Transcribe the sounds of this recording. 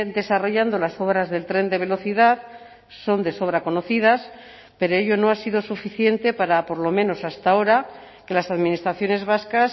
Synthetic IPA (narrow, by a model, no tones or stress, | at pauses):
d̪e̞saro̞ʝand̪o̞laso̞βɾazðe̞lt̪ɾe̞nd̪e̞β̞e̞lo̞θiðað | so̞nd̪e̞so̞β̞ɾako̞no̞θið̞as | pe̞ɾoe̞ʎo̞no̞asiðo̞sufiθje̞nt̪e̞paɾapo̞ɾlo̞mẽ̞no̞sast̪ao̞ɾa | ke̞lasaðminist̪ɾaθjo̞ne̞zβaskas